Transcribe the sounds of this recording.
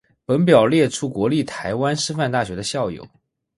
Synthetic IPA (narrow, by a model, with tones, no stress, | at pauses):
pə˧˥npjɑ˨˩ʊljɛ˥˩ʈ͡ʂʰu˥kwɔ˧˥li˥˩t̪ʰa˧˥ɪwa˥nʂɻ̩˥fa˥˧nt̪a˥˩ɕɥɛ˧˥d̪ə˧ɕjɑ˥˩ʊjo̰˨˩ʊ